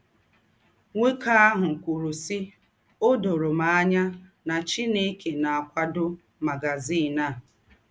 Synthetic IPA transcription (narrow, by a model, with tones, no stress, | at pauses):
ŋʷe˦kʰa˦a˦ɦʊ˨kʷu˨ɾu˨sɪ˦ | o˦do˨ɾo˨ma˨a˦ɲa˦na˨t͡ʃi˦ne˦ke˨na˨a˨kʷa˦dʊ˦ | ma˨ɡa˨ziː˦˨na˦˨